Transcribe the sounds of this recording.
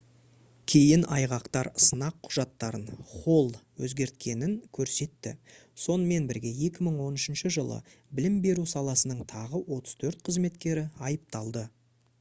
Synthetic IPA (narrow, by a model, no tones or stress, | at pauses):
kʲʰe̞jɪnʔɑjʁɑqt̪ɑɾsənɑqʰːʊ̥ʒɑt̪ːɑɾənχo̞lˠwɵ̰zɡʲe̞ɾt̪kʲʰe̞nɪŋkʲʰɵɾse̞t̪ːɪ̰ | so̞nəme̞nbɪɾɡʲe̞je̞kʲɪməɴwo̞nɪʃɪnʃəʒəlˠə̰ | bɪlɪmbe̞ɾusɑlˠɑsənəɴt̪ʰɑʁəwo̞t̪ə̥z̥t̪ʰɵɾt̪qʰəzme̞t̪kʲe̞ɾɪɑjəp̚t̪ɑlˠd̪ə